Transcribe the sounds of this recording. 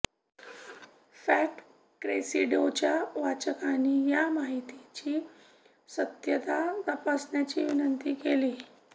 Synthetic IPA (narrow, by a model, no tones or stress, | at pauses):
fæʈ | kɾesiɖowt͡ɕjaʋat͡ɕəkaniːjamaɦit̪it͡ɕiː | sət̪jət̪at̪əpasnjat͡ɕiʋinənt̪iːkeli